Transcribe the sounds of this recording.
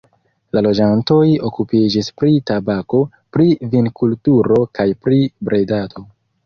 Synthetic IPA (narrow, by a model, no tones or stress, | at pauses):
lalo̞d͡ʒanto̞jo̞kupid͡ʒispɾitabako̞ | pɾivinkultuɾo̞kajpɾibɾedato̞